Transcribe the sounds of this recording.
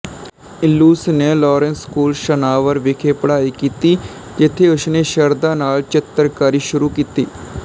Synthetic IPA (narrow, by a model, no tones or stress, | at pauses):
ɪlːuːsneːlɔːɾɛnskuːlʃənaːʋəɾʋɪkʰeːpəɽaːiːkiːt̪iː | d͡ʒɪt̪ʰːeːʊsneːʃəɾd̪ãːnaːlt͡ʃɪt̪ːəɾkaːɾiːʃʊɾuːkiːt̪iː